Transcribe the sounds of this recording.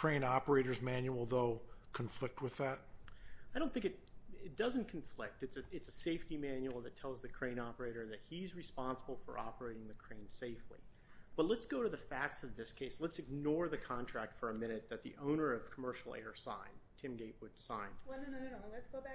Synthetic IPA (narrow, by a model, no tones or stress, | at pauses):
kʰɹ̥ẽɪ̃nɑpə˞eɪɾə˞zmæ̃njul̩ˠðoʊkʰɨ̃ɱflɪk̚t̚wɨðæt̚aɪɾõʊ̃nθɪ̃ŋkɨt̚ɪt̚d̥ʌzɨ̃n̩kʰɱflɪk̚tɨtsɨɨtsɨseɪftimæ̃njul̩ˠðɨtʰɛlˠzðɨkʰɹ̥ẽɪ̃ñɑpə˞eɪɾə˞ðɨt̚hizɹɨspɑ̃nsəbl̩ˠfə̰˞ʔɑ̰pə˞eɪɾɪ̃ŋðɨkʰɹ̥ẽɪ̃nseɪflḭ | b̥ʌtˡlətsɡ̥oʊɾɨðɨfæk̚tsʌvðɪskʰeɪslətsɨɡ̚nɔɹðɨkʰɑ̃ntʰɹ̥æk̚tfə˞ɨmɪ̃nɨt̪̚ðɨt̪̚ðḭʔõʊ̃nə˞ʌv̥kʰəmɜ˞ʃl̩ˠɛ̰ɹsã̰ɪ̃ntʰɪ̃mɡeɪʔ̚wʊd̥sãɪ̃nd̥ | sɡ̥o